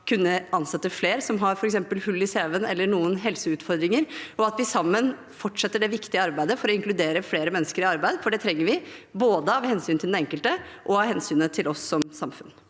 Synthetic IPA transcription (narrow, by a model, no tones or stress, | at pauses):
kʰʉnːəɑnsɛt̪ːəfleːɾsɔmɦɑɾfɔɾɛksɛmpəlhʉlːɪseːʋənɛlːəɳuːənɦɛlsəʉːt̪fɔɾd̪ɾɪŋəɾɔɑt̪ʋɪsɑmːən | fɔʈːʂɛt̪ːəɖɛʋɪkt̪ɪəɑɾbæɪd̪əfɔɾɔɪŋklʉd̪eːɾəfleːɾəmɛnːəskəɾɪɑɾbæɪd̪fɔɖɛt̪ʰɾɛŋːəɾʋɪboːd̪əɑʋhɛnsyːnt̪ɪld̪ɛɛŋkəlt̪əʔɔɑʋhɛnsyːnət̪ʰɪlʔɔsːɔmsɑmfʉ̰n